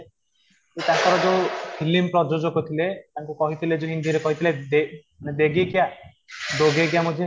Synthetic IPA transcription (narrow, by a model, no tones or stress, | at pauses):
et̪akɔɾɔd͡ʒewpʰilimpɾɔd͡ʒod͡ʒɔɡɔt̪ʰilet̪aŋkukɔɦit̪ʰiled͡ʒeɦind̪iɾekɔɦit̪ʰiled̪e | ned̪eɡikia | d̪oɡeɡjamud͡ʒi